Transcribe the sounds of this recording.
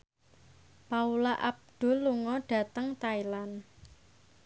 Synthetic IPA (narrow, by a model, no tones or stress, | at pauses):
paulaʔab̚d̪̥o̤lːuŋɔɖ̥a̤t̪əŋt̪ailan